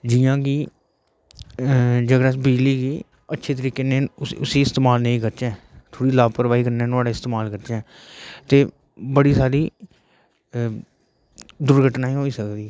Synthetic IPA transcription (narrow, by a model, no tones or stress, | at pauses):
d͡ʒɪjãːkiː | d͡ʒəɡɾaːsbɪd͡ʒliːɡiː | ətːʃʰeːt̪̬əɾiːkeːnẽːʊsiːɪst̪eːmaːlnəĩːkəɾt͡ʃɛ̃ːt̪ʰoːɽiːlaːpɾəʋaːiːkəɾnẽːnʊaːɖaːɪst̪eːmaːlkəɾt͡ʃɛ̃ː | t̪eː | bəɽiːsaːɾiː | d̪ʊɾɡʱəʈnaːĩɦoːiːsəkd̪iːɛ